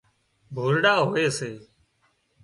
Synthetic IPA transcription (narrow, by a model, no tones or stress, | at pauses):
bʱoːlɖaːɦoːeːseː